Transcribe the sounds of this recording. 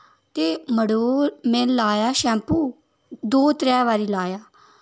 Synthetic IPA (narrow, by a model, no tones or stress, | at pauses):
t̪eːməɽoːmẽːlaːjaːʃɛ̃ːmpuː | d̪oːt̪ɾɛːʋaːɾiːlaːjaː